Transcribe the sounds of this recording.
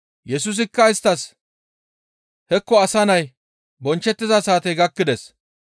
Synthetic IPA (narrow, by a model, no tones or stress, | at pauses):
jɛs̬us̬ɪkːɐɪst̪ːɐs | hɛkːɔɐsɐnɐj | bɔnt͡ʃːɛt̪ːɪzɐsaːt̪ɛjɡɐkːɪd̪ɛs